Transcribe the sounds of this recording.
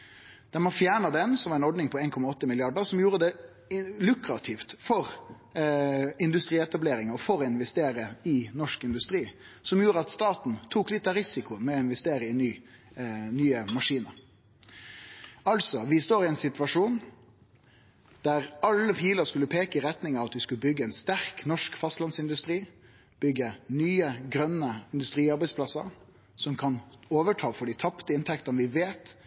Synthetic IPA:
d̪̥ɛmɑfjæːɳɑd̪ɛnsɔmʋɑɾɛnɔɾɖ̪nɪŋpʰɔeːnkʰɔmɑɔt̪ːəmɪlɪɑɖəɾsɔmjuːɾəd̪ɛ | lʉkɾɑt̪ʰɪft̪fɔʁ | ɪnd̪ʉst̪ɾiːɛt̪ɑbleːɾɪŋɑfɔɾɔɪnʋɛst̪eːɾəɪnɔʂkɪnd̪ʉst̪ɾiː | sɔmjuːɾəɑt̪st̪ɑːt̪n̩t̪ʰuːklɪt̪ːɑɾɪsɪkʊəmɛɔɪnʋɛst̪eːɾəɪnyː | nyːəmɑʂiːnəɾ | ɑlsɔʋɪst̪oːɾɪɛɪnsɪt̪ʋɑʂuːn | d̪̥æɾɑlːəpʰiːləskʉlːəpʰeːkəɪɾɛt̪nɪŋɑʋɑt̪ʋɪskʉləbʏɡːəɛɪnst̪æɾknɔʂkfɑst̪lɑnsɪnd̪ʉst̪ɾiː | b̥ʏɡənyːəɡɾœnːəɪnd̪ʉst̪ɾiːɑɾbæɪsplɑsə̰ɾ | sɔmkʰɑnoːʋəʈʰɑːfɔɖɪt̪ʰɑpt̪əɪnt̪ʰɛkt̪ənʋɪʋeːt̪

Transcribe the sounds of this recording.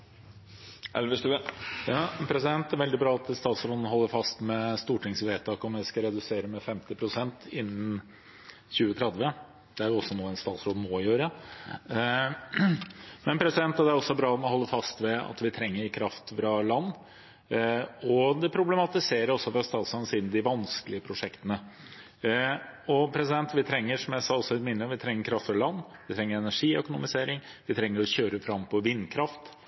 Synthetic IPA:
ʔɛ̰lʋəst̪ʉəjɑːpʰɾɛsɪd̪ɛnt̪̚d̪æɾʋɛld̪ɪbɾɑːɑt̪st̪ɑːt̪sɾoːd̪n̩ɦɔlːəɾfɑst̪mɛst̪uːʈɪŋsʋeːt̪ʰɑːkɔmjæɪskɑɾɛd̪ʉseːɾəmɛfɛmt̪ɪpʰɾʊsɛnt̪ɪnːən | çʉːət̪ʰɾɛd̪ʋə | d̪̥ɛæɾjʊɔsːɔnuːɛnst̪ɑːt̪sɾoːd̪moːɪjøːɾə | mɛnpʰɾɛsɪd̪ɛnt̪ːɑd̪ɛæɾɔsːɔbɾɑːmɔhɔlːəfɑst̪ʋɛɑ̰t̪ʋɪt̪ʰɾɛŋːəɾkʰɾɑft̪fɾɑlɑnː | ɔd̪ɛpʰɾʊblɛmɑt̪ɪseːɾəɾɔsːɔfɾɑst̪ɑːt̪sɾɑnsiːd̪nd̪ɪʋɑnskəlɪəpʰɾʊʂɛkt̪ənə | ɔpʰɾɛsɪd̪ɛnt̪ʋɪt̪ʰɾɛŋːəʂɔmjæsɑːɔsːɔɪt̪mɪnːəʋɪt̪ʰɾɛŋːəɾkʰɾɑft̪fɾɑlɑnːʋɪt̪ʰɾɛŋːəɾɛnæʂiːœkʊnʊmɪseːɾɪŋ | ʋɪt̪ʰɾɛŋːəɾɔçøːɾəfɾɑmpʰɔʋɪnːkʰɾɑft̪

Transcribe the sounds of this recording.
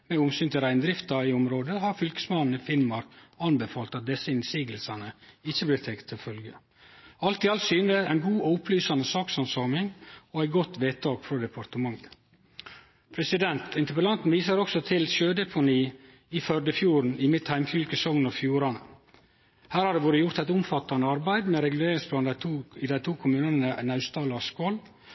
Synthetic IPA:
mɛʊmsyːnt̪ɪɾæɪnd̪ɾɪft̪ɑɾɪʊmɾoːd̪əhɑɾfʏlkə̥smɑnn̩ɪfɪnmɑɾkɑnbəfɑːlt̪ɑt̪̚d̪ɛsəɪnsiːɡəlsɑnəɪçəblɪːɾt̪ʰɛkt̪ʰːɪlfœlɡə | ɑlt̪ɪːɑlt̪syːnd̪əæɪnɡuːɔʊpʰlyːsɑnəsɑːksɑnsɑːmɪŋoæɪɡɔt̪ʋeːt̪ʰɑːɡfɾɔd̪ɛpʰɑɾt̪əmɑŋːə | pʰɾɛsɪd̪ɛnt̪ɪnt̪əpəlɑnt̪n̩ʋiːsəɾɔksɔt̪ʰɪlʃøːd̪ɛpʰʊniː | ɪfœɾɖəfjuːɾɳ̩ɪmɪt̪hæɪmfʏlkəsɔŋnɔfjuːɾɑnə̰ | hæːɾhɑɖ̪ɛːʋoːɾəjʊɾt̪æɪt̪ʊmfɑt̪ːɑnəɑɾbæɪd̪mɛɾɛɡʉleːɾɪŋspʰlɑːnʰːɪd̪æɪt̪ʰuːkʰʊmʉːnənnənɑʉst̪ɑːlɑskɔl

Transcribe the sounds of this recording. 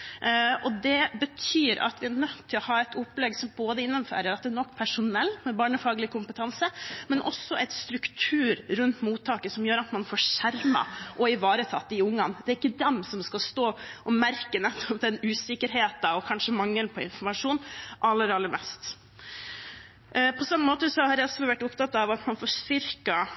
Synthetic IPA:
ʔɔd̪ɛbət̪ʰyːɾɑ̰t̪ʋɪæɳœt̪ʰːɪlɔhɑːɛɪt̪ʊpːlɛɡsɔmboːd̪əɪnːəmfø̰ːɾəɾɑt̪̚d̪ɛːɳɔkːpʰæʂʊnɛlːmɛbɑːɳəfɑːɡlɪkʰʊmpət̪ʰɑnsəmɛnʔɔ̰sːɔʔɛɪt̪st̪ɾʉkt̪ʰʉːɾɾʉnt̪muːt̪ʰːɑːkəsɔmjøːɾɑt̪mɑnfoːʂæɾmɑ̰ʔɔɪʋɑːɾət̪ʰɑt̪ːɪʊŋːɑnd̪ɛːɾɪkːəd̪ɛmsɔmskɑst̪oːʔɔmæɾkənɛt̪ʰːɔpd̪ɛnʉːsɪkːəɾɦeːt̪ɑɔkʰɑnʂəmɑŋːəlpʰɔɪ̰nfɔɾmɑʂuːnʔɑlːəɾɑlːəɾmʔɛ̰st̪ | pʰɔsɑmːənmoːt̪əsɔhɑɾjæɔsɔʋæʈːʊpt̪ʰɑt̪ːɑʋɑt̪mɑnfɔːst̪ʏɾkɑ

